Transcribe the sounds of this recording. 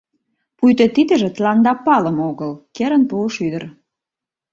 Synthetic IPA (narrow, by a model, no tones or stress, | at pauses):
pujt̪ə̆t̪id̪ə̆ʒĕt̪lɑnd̪ɑpɑlə̆moɣəlkeɾənpuʃyd̪ə̆r